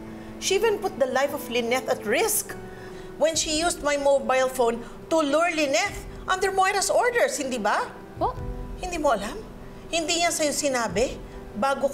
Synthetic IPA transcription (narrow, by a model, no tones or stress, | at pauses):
ʃiʔivɛ̃npʊt̪̚d̪ɐlajfɔflɪnɛθɐt̪ɹɪsk | wɛ̃nʃijusd̪̚majmobajlfon | t̪ʊluɹlɪnɛθ | ʔɐ̃nd̪ɛɹmɔjɾɐsʔoɹd̪ɛɹshɪnd̪iːbɐ | hɪnd̪iːmoʔɐlam | hɪnd̪iɲansɐjosɪnaːbɛ | baːɡok